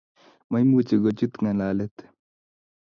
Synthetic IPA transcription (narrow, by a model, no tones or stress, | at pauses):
mɐjmuːt͡ɕeɡot͡ɕut̪ŋɐ̃laːlet̪